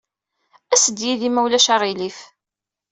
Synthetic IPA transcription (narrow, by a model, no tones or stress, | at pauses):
æsəd̪jiðimæwlæʃaʁilif